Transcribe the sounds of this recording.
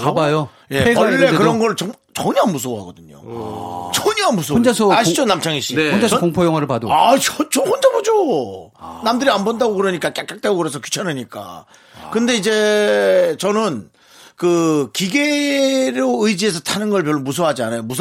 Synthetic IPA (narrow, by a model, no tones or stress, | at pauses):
kabajo | je̞eɡaːe̞kɯɾʌnɡʌʌŋ | t͡ɕʌɲʌɦanmus̬ʰoɦaɡʌdɯɲo̰t͡ɕʌɲʌanmus̬ʰoond͡ʑasʰʌaɕid͡ʑonamt͡ɕʰaŋiɕ͈ieonasʌkoŋpʰojʌŋɦaɾɯɭpadoat͡ɕʌt͡ɕʌhond͡ʑabod͡ʑo | namdɯɾianbondaɡokɯɾʌɲik͈ak͈jak͈ak̚t͈eɡokɯɾes̬ʰʌkju̥t͡ɕʰanɯɲik͈a̰ | kɯnde̞id͡ʑe̞ | t͡ɕʌnɯn | kɯkiɡe̞ɾoɯid͡ʑie̞s̬ʰʌtʰanɯnɡʌɭpjʌɭːomus̬ʰʌɦad͡ʑianajomusʰ